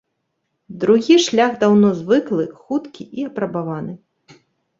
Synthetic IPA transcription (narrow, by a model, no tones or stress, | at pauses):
d̪ɾuɣʲiʂlʲaɣd̪awnɔzvɨklˠɨxut̪kʲiʔiɐpɾɐbavanɨ